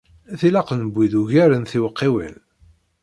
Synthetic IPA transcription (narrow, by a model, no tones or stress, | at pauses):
æθilɑqnbʷːiðuʝæɾənθiwəqːiwə̰n